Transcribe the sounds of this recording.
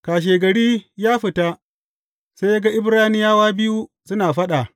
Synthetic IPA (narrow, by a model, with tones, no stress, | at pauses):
kaː˨ʃ̬eː˨ɡɐ˨ɽiː˦jaː˦ɸɪ˨ta˦ | se˦ja˦ɡa˦ʔɪ˦bɾaː˦nɪ˦jaː˦waː˦bɪ˦ju˦ | sʊ˦naː˨ɸɐ˦ɗa˨